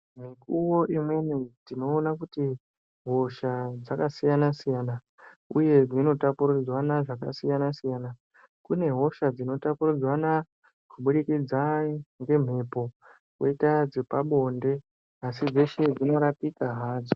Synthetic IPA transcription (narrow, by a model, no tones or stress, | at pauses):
m̤ikuwo̞imwe̞nitino̞ːnakuti | ɦo̞ʃad͡zakasijanasijana | uje̞d͡zino̞tapurud͡zwanaʐaka̰sijanasijana | kune̞ɦo̞ʃad͡zino̞tapurud͡zwana | kuɓuɽikid͡zaŋɡe̞m̤e̞po̞ | kwoitad͡zipaɓo̞nde̞ | asid͡ze̞ʃe̞d͡zino̞ɾapikaɦaːd͡zo